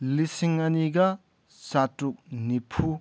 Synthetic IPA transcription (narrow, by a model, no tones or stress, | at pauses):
lisiŋɐniɡɐ | satuk̚nipʰu